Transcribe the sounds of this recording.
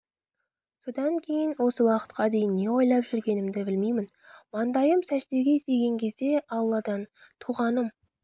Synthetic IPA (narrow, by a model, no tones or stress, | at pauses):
so̞d̪ɑŋkʲʰe̞jɪnwo̞səwɑqə̥t̪̚qɑd̪e̞jɪnːe̞wo̞jlˠɑpʒ̥ʏɾɡʲe̞nɪmd̪ɪbɪlmejmɪn | mɑnd̪ɑjəmsæʒt̪e̞ɡʲe̞est̪e̞ɡʲe̞ŋkʲʰe̞zd̪e̞ʔɑlˠːɑd̪ɑn | t̪ʰuʁɑnəm